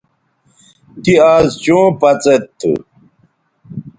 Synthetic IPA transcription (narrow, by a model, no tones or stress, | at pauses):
t̪iaːzt͡ɕũːpɐt͡set̪ʰːṵ